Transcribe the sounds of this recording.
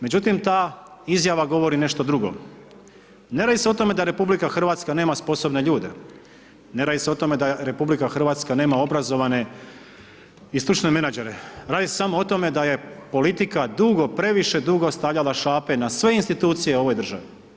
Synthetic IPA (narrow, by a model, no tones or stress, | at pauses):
me̞d͡ʑut̪imt̪aːizjaʋaɡo̞ʋo̞ɾine̞ʃt̪o̞d̪ɾuɡo̞̰ | neɾaːd̪iseo̞t̪o̞me̞d̪aɾe̞publikaxr̩ʋaːt̪skane̞ːmaspo̞so̞bne̞ʎuːd̪e̞̰ | ne̞ɾaːd̪iseo̞t̪o̞me̞d̪aɾe̞publikaxr̩ʋaːt̪skane̞ːmao̞bɾazo̞ʋane̞ | ist̪ɾut͡ʃne̞me̞nad͡ʒe̞ɾeɾaːd̪isesamo̞ot̪o̞me̞d̪aje̞po̞lit̪ikad̪uɡo̞pɾe̞ʋiʃe̞d̪uɡo̞st̪aʋʎalaʃaːpe̞nasʋe̞inst̪it̪uːt̪sije̞o̞ʋo̞jd̪r̩ʒaʋi